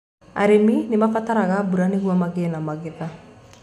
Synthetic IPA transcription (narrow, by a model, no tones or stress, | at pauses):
a̰ɾeminɪmafataɾaɣabuɾaneɣwamaɣenamaɣeða